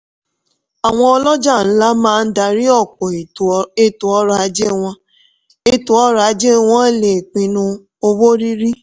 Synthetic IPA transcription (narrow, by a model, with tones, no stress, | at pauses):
a˨w̃ɔ̃˧ɔ˧lɔ˦d͡ʒa˦˨n̩˦la˦mãː˦˧n̩˦da˧ɾi˦ɔ˦˨kɔ˨e˦˨tu˨ɔ˦ɾa˧˦d͡ʒe˦w̃ɔ̃˧ | e˦tu˨ɔ˦ɾa˨˦d͡ʒe˦w̃ɔ̃˦˨le˨k͡pĩ˨nũ˧ | o˧wo˦ɾi˦ɾi˦